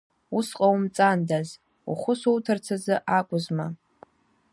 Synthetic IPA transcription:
usqʼawmt͡sʼandaz | ṵχʷʊsowtʰɨrt͡sʰazɨʔakʷʼʊzma

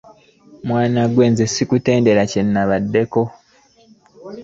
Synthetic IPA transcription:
mwaːnaɡwe̞ːnzesikute̞ːnde̞ɾacenːaβadːe̞ko̞

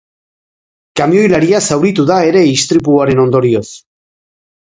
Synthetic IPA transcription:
kamio̞jlaɾiasawɾit̪uðae̞ɾe̞ist̪ɾip̬uaɾe̞no̞nd̪o̞ɾio̞s

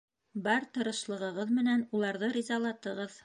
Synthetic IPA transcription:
bɑɾt̪ɤ̆ɾɤ̆ʃlˠɤ̆ʁɤ̆ʁɤðmɘ̆nænulˠɑɾðɤɾʲizɑlˠɑt̪ɤ̆ʁɤð

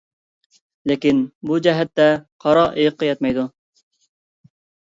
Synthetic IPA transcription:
lekʲinbud͡ʒɛɦɛt̪ːɛqʰɑɾɑʔejɨqʰːɑjɛt̪̚mɛjd̪u

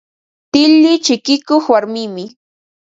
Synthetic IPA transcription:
t̪ɪlːɪt͡ʃɪkɪkoχwaɾmɪmɪ

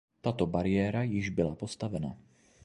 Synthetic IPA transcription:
t̪aːt̪ɔbaɾɪɛːɾajiʒbilapɔst̪aʋɛna̰ː

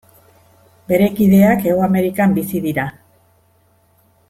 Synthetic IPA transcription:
be̞ɾe̞kiðe̞ake̞ɣwame̞ɾikambisiðiɾa

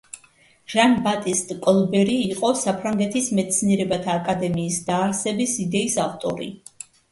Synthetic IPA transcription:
ʒ̥anbat̪ʼist̪ʼkʼɔlˠbɛɾiːqʼɔsapʰɾaŋɡɛt̪ʰismɛt̪sʰniɛɾɛbat̪ʰaːkʼad̪ɛmiːsd̪aːɾsɛbisid̪ɛisaft̪ʼɔ̰ɾḭ

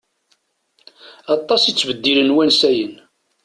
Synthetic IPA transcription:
ɑt̪ˤːɑsit͡sːvəd̪ːilənwænsæjən

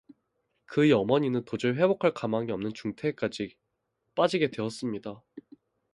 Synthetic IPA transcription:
kɯjʌmʌɲinɯntod͡ʑɯɭɸe̞bokʰaɭkamaŋiʌmnɯnt͡ɕuŋtʰe̞k͈ad͡ʑi | p͈ad͡ʑiɡe̞dwe̞ʌs͈ɯmɲida

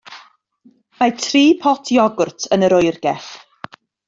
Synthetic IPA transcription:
majtʰriːpʰɔtʰjɔɡʊrtʰənəɾʊjrɡ̥ɛɬ

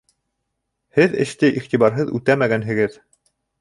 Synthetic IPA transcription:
hɘðɘ̰̆ʃt̪ɘʔiχt̪iβɑɾɦɤðʉ̰t̪æmæɡænɦɘ̆ɡɘð

